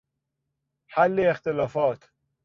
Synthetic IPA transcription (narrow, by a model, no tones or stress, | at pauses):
ħalːeːxt̪elɒːfɒːt̪ʰ